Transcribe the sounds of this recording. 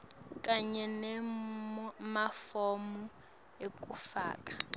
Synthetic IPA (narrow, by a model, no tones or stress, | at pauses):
kʼaɲɛnɛ | mafomu | ekʼufa̰ːkʼḁ